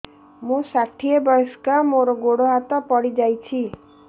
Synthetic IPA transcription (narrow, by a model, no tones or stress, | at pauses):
mũsaʈʰiebɔɾskamoɾɔɡoɽoɦat̪ɔpɔɽid͡ʒajt͡ʃʰi